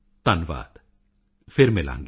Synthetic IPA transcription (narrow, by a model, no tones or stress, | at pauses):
t̪ɐnʋa̰ːd̪ | feɾmela̰ːŋɡ